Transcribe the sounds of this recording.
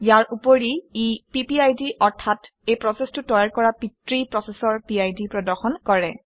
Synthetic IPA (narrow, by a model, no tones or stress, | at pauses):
jaɹupoɹiipipiajdiʔɔɹtʰat | ejpɹɔsɛstʊtɔɹaɹkɔɹapitɹipɹɔsɛsɔɹpiajdipɹɔdɔɹxɔnkɔɹɛ